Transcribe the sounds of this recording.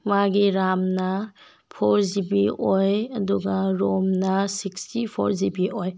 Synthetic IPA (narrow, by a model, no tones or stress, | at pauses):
maɡiɾamnɐ | pʰoɾzibiojɐduɡɐɾomnɐsikstipʰo̰ɾzibiʔoj